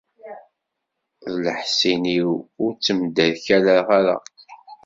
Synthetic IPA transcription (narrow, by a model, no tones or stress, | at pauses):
ðləħsiniwʊɾt͡sːəmd̪æðçælaɾʁaɾa̰